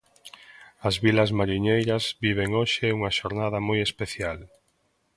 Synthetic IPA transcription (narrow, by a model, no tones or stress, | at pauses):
ɐzβilɐzmaɾiɲejɾɐzbiβ̞eŋoʃɪuŋaʃoɾnað̞ɐmojespeθjal